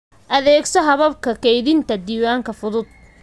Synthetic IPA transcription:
ʔɐðɛːɡsɔɦɐβɐb̚kʰɐkʰɛjðɪnt̪ʰɐd̪iːwaːŋkʰɐfʊðʊd̪̥̚

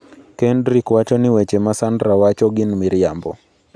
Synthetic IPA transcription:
kɛndɾikwat͡ʃɔniwɛt͡ʃɛmasandɾawat͡ʃɔɡinmiɾiambɔ

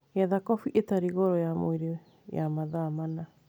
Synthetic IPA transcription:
jaðakɔfiʔetaɾiɣɔɾɔjamo̰iɾiw | ja̰maðaːmana

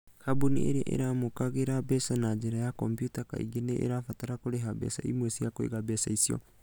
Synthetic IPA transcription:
kʰabuniʔḛɾḛʔḛɾamokaɣeɾabɛsanad͡ʒeɾajakɔmpjutaka̰ḭɡeneʔḛɾafataɾakoɾeɦabɛ̰sa̰imwesiakoḛɣabɛsa̰isiɔ̰

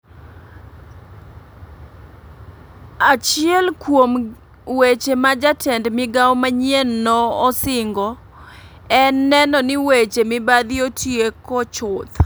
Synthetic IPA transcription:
at͡ʃɪɛlkwom | wet͡ʃemad͡ʒatʰɛndmɪɡawmaɲienːɔːsɪŋɡɔ | ɛnːɛnɔnɪwet͡ʃemɪbad̪ɪotʰjekɔt͡ʃʊt̪

